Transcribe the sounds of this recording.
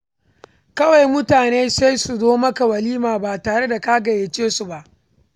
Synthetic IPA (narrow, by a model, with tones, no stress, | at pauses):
kɐ˦wa˨jmʊ˦taː˨neː˦sa˦jsu˨zoː˦mɐ˦ka˨wɐ˨liː˦maː˨baː˨taː˨ɽe˦da˨ka˦ɡɐ˨jeː˨t͡ʃeː˦su˨ba˦ʔ